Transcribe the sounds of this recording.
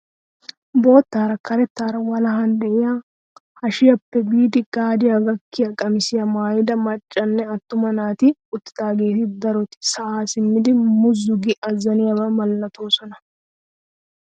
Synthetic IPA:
bo̞ːt̪ːaːɾɐkɐɾɛt̪ːaːɾɐwɐlɐɦɐnd̪ɛʔɪja | hɐʃɪjɐpːɛbiːd̪ɪɡaːd̪ɪjɐɡɐkːɪjɐkʼɐmɪsɪjɐmaːjɪd̪ɐmɐt͡ʃʼːɐnːɛɐt̪ːʊmɐnaːt̪ɪʊt̪ːɪ̥t̪aːɡe̞ːt̪ɪd̪ɐɾɔt̪ɪ̥sɐʔaːsɪmːɪd̪ɪmʊzʊɡɪʔɐzɐnɪjɐbɐmɐlːɐt̪o̞ːsɔnɐ

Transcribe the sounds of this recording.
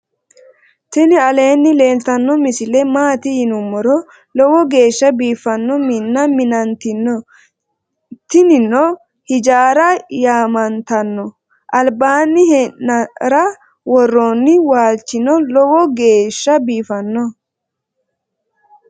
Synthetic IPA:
t̪ɪnɪɐle̞ːnːɪle̞ːlt̪ɐnːɔmɪsɪlɛmaːt̪ɪjɪnʊmːɔɾɔ | lɔwɔɡe̞ːʃːɐbiːfɐnːɔmɪnːɐmɪnɐnt̪ɪnːɔ | t̪ɪnɪnːɔ | hɪd͡ʒaːɾɐjaːmɐnt̪ɐnːɔ | ʔɐlbaːnːɪhɛɐɾɐ | wɔrːoːnːɪwaːlt͡ʃːɪnɔlɔwɔɡe̞ːʃːɐbiːfɐnːɔ

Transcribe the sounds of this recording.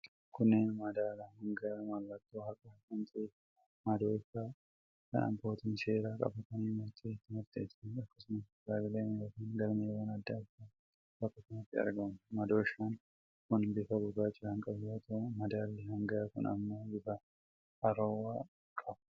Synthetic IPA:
kʊnːeːnmɐd̪aːlɐhɐŋɡɐmɐlːɐt̪ːoːhɐkʼɐkʊnt̪ʼeː | mɐd̪o̞ːɪfaː | kɐ̰nʔɐ̰bːo̞ːt̪ɪnse̞ːɾaːkʼɐ̰fɐt̪ɐniːmʊɾt̪ʰʼeːɪt̪ːɪmʊɾt̪ʼeːt̪ɪnɐkːɐsʊmɐs | d̪aːbɪleːnjoːkiːnɡɐlmeːwɐnɐd̪ːaːɪfa | bɐkːɐsʊmɐt̪ːɪɐ̰ɾɡɐmʊmɐd̪o̞ːɪʃːan | kʊnbɪfɐbʊɡaːt͡ʃʼːɪɾɐŋkʼɐbjoːt̪ɐmɐd̪aːlːɪhɐŋɡɐjaːkʊ̰nɐ̰mːoːbɪfɐ | ʔɐɾoːwaː | kʼɐbʊ̥

